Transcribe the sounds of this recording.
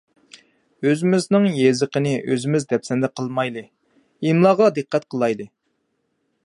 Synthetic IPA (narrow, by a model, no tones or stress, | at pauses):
øzɪmɪznɪŋjezəqənɪʔøzɪmɪzd̪ɛpsɛnd̪ɛqʰəlˠmɑjlɨ | imlˠɑːʁɑd̪ɨqːɛt̪̚qʰəlˠɑjd̪ɨ